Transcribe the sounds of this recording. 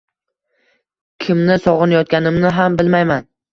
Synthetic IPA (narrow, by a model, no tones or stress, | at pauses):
kʲʰɪmnɪsɒʁɨnajɒt̪̚kʲanɪmnɪɦambɪlmajman